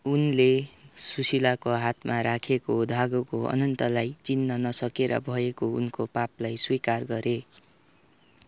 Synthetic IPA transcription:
unlesusilakoɦat̪maɾakʰekod̪ʱaɡokoʌ̰nʌnt̪ʌlajt͡sinːʌnʌsʌkeɾʌ̰bʱʌekoṵnkopaplajswikarɡʌɾe

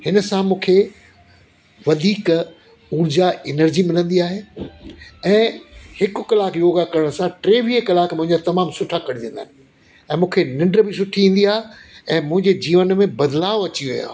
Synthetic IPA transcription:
hɪnə̆sãmũːkʰe | ʋɐd̪ʱiːk | uɾd͡ʑaɪnəɾd͡ʑimɪlə̃nd̪iaːɦeː | ɛ̃ːhɪkʊ̆kɐlaːkjoːɡakɐɾəɽ̃sãʈɾeːʋiekɐlaːkmʊ̃ɦɪ̃ɲd͡ʑat̪ɐmaːmsʊʈʰakɐɽ̤id̪ẽːn̆d̪a̰ːnɪ | ɛ̃ːmũːkʰenɪ̃ɳɖɾbɪs̬ʊʈʰiĩːn̆d̪iaːɦeɛ̃ːmʊ̃ɦɪ̃ɲd͡ʑed͡ʑiːʋənmẽbɐd̪laːoɐt͡ɕiʋijã̰ː

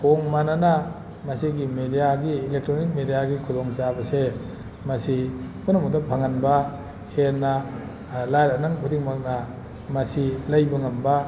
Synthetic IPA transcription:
kʰoŋmanana | mɐsiɡimedijaɡiːlek̚tɾonik̚medijaɡikʰuloŋsabɐse | mɐsikunɐmudapʰaŋanbɐ | henːɐ | lajɾanaŋkʰudiŋmak̚nɐ | mɐsilɐjbɐŋɐmbɐ

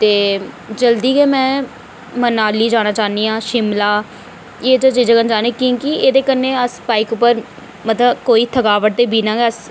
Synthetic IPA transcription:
t̪eː | d͡ʒəld̪iːɡeːmɛ̃ː | mənaːliːd͡ʒaːñaːt͡ʃaːniːãːʃɪmlaː | eːd͡ʒət͡ʃiːd͡ʒaːkənd͡ʒaːneːkĩːkieːd̪eːkənːeːəspaːikʊpːəɾ | mət̪ləbkoːiːt̪ʰəkaːʋəʈ̚t̪eːbiːnãːɡɛəs

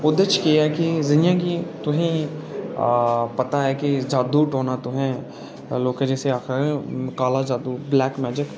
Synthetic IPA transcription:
ʊd̪et͡ʃkiɛkizɪnjãɡit̪ʊɦĩ | pɐt̪aɦɛkid͡ʒaːd̪uʈoːnat̪ʊɦɛ̃ | loːkɛ̃d͡ʒɛːseaːxɪɾẽkaːlad͡ʒaːd̪ublɛːkmɛːd͡ʒɪk

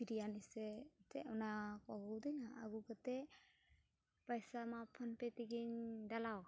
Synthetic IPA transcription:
piɾijanisɛtɛʔɔnakaɡɔwd̪inaa̰ɡukat̪ɛ | pajsamapʰɔnpɛt̪iɡiɲdalaw

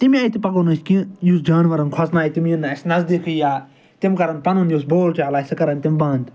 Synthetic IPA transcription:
t̪imʲaːjit̪ipɐɡoːnɐskĩjusd͡ʒaːnʋɐɾɐnkʰɐsnaːjt̪imjinːaːsnɐzd̪ikʰɨjaː | t̪imkɐɾɐnpɐnunjusboːlt͡ʃaːlaːsɐkɐɾɐnt̪imbãːnd̪

